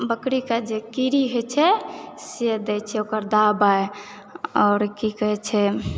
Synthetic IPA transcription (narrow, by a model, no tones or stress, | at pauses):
bəkɾikad͡ʒekiɾiɦet͡ʃʰɛsed̪ɛt͡ʃʰɛokəɾd̪abae | ɔːɾkikəɦɛt͡ʃʰɛ